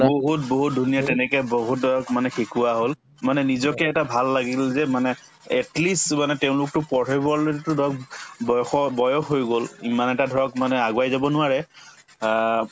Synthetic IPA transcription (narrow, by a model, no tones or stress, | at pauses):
boɦut̚boɦut̚dʱunijatɛnɛkɛboɦut̚dɔjɔkmanɛxikuaɦol | manɛnizɔkɛːtabʱalːaɡilzɛmanɛ | ɛtlismanɛteʊ̃lʊk̚tʊpɔtʰebɔɹletʊdʱɔjɔkbɔjɔxɔbɔjɔxɦojɡolimanɛtadʱɔɹɔkmanɛaɡwajzabɔnʊaɹɛ